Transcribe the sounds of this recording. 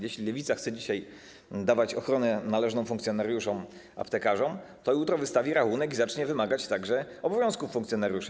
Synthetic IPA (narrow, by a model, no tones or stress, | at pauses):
jeɕlʲilɛvʲit̪saxt̪sɛd͡ʑiɕaj | d̪avat͡ɕɔxɾɔnɛnalɛʐnɔ̃w̃fũŋkt̪sʲjɔnaɾjuʂɔ̃m | a̰pt̪ɛkaʐɔm | t̪ɔjut̪ɾɔvɘst̪avʲiɾaxunɛkizat͡ʂɲɛvɘmaɡat͡ɕt̪aɡʐɛ | ɔbɔvʲjɔ̃w̃skufːuŋkt̪sjɔnaɾʲjuʂɛ